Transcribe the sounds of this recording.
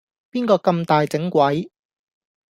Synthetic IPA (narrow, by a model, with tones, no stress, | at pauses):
piː˥nkɔː˧kɐ˧mt̪aː˨jt͡sɪ˨˥ŋkʷɐ˨˥j